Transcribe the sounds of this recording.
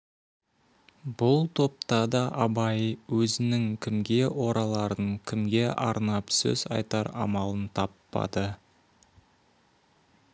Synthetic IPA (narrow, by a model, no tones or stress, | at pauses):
b̥ʊlˠt̪ʰo̞p̚t̪ɑd̪ɑʔɑbɑjwɵzɪnɪŋkʲʰɪmɡʲe̞wo̞ɾɑlˠɑɾəŋkʲʰɪmɡʲe̞ʔɑɾnɑpsɵ̰z̥ɑ̰jt̪ɑɾɑ̰mɑlˠənt̪ʰɑpːɑ̰d̪ə